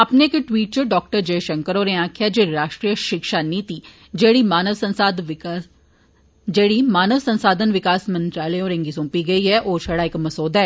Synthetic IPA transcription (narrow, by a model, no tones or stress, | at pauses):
ɐpnekʈʋiːʈ̚t͡ʃəɖɔːkʈəɾd͡ʒeːʃɐ̃ŋkəɾoːɾẽãːkʰjad͡ʒeːɾaːʃʈɾijəʃɪkʃaniːt̪i | d͡ʒeːɽimaːnəʋsənsad̪ | d͡ʒeːɽimaːnəʋsɐ̃nsaːd̪ʱənʋɪkaːsmɐ̃nt̪ɾaːləjõːɾẽŋɡisõːpiɡɐiɦɛʔoːt͡ʃʰɐɽaɪkmɐsoːd̪ʱɦɛː